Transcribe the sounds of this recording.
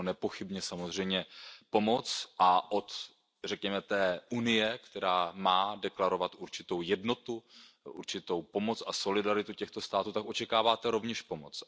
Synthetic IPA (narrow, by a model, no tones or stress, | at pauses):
nɛpo̞xɪbɲɛsamozr̝ɛjmɲɛpo̞mo̞t͡sʔaʔot̪ | r̝ɛkɲɛmɛt̪ɛːʔunɪjɛkt̪ɛɾaːmaːdɛklaɾo̞vat̪ʔuɾt͡ʃɪt̪o̞wjɛdno̞t̪u | ʔṵɾt͡ʃɪt̪o̞wpo̞mo̞t͡saso̞lɪdaɾɪt̪ucɛxt̪o̞st̪aːt̪uːt̪akʔo̞t͡ʃɛkaːvaːt̪ɛɾo̞vɲɛʃpo̞mo̞t͡s